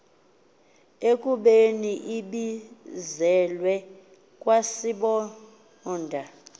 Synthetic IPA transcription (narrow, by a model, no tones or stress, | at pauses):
ekʼuɓeniʔiɓizɛlwɛ | kʼwasiɓɔ | ndʱa